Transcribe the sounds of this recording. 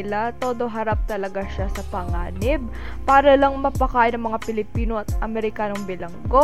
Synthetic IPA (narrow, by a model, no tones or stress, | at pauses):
ɪlat̪o̞ːd̪o̞ɦɐɾap̚t̪ɐlɐɡaʃasɐpɐŋaːnɪb̚ | paːɾɐlɐŋmɐpɐkaːʔɪnɐŋmɐŋapɪlɪpiːno̞ɐt̪ʔɐmɛɾɪkaːno̞ŋbɪlɐŋɡo̞